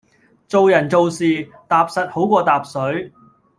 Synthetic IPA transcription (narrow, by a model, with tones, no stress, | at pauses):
t͡so˨wjɐ˨˩nt͡so˨wsiː˨ | t̪aː˨p̚sɐ˨t̚ho˨˥wkʷɔː˧t̪aː˨p̚sɵ˨˥ɥ